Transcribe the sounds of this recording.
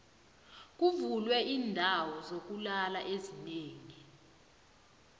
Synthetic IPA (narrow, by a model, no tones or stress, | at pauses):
k̬uvulwɛʔiːndʱawɔzok̬ulalaʔezineːŋi